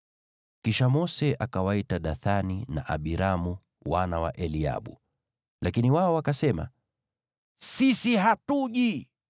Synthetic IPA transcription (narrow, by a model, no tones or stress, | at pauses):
kiʃamɔsɛʔakawaitaɗaθanina̰ʔa̰ɓiɾamu | wanawa̰ʔɛlia̰ɓṵ | lakiniwaɔwakasɛma̰ | sisiɦatuʄi